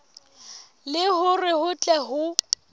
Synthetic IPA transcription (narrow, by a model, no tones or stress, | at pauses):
lɪhʊrɪhʊt͡ɬʼɛɦʊ